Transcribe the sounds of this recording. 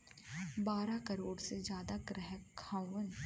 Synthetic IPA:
baːɾakɐɾoːɽsed͡ʒjaːd̪aɡɾɛɦəkʰːãːʋən

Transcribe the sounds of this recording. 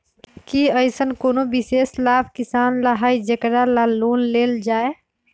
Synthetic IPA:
kiəɪsənkoːnobɪseːslaːbkɪsaːnləɦaːid͡ʒəkɾalaloːnleːld͡ʒaːe

